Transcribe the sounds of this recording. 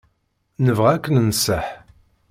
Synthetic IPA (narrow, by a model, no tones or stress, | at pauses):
nəvʁækːənnsəħ